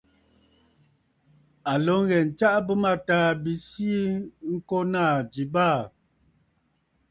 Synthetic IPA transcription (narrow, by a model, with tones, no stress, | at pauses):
a˨lɔ˨˦ŋ˦ɣɛ˨n̩˨t͡ʃa˦ʔbə˦ma˦˨taː˦bi˨si˦ŋ̩˦kɔ˦na˦˨d͡ʒi˨baː˦˨